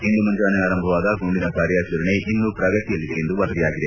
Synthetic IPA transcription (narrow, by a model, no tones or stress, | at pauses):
ind̪umɐnd͡ʒaːnɐaːɾɐmbʱɐʋaːd̪ɐɡuɳɖinɐkaːɾjɐt͡ʃuɾɐneʔinːupɾɐɡɐt̪ijɐlːid̪ejend̪uʋɐɾɐd̪ijaːɡid̪e